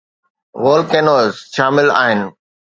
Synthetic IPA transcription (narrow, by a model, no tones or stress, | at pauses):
ʋoːlkeːnoːzʃaːmɪla̰ːɦɪnɪ̆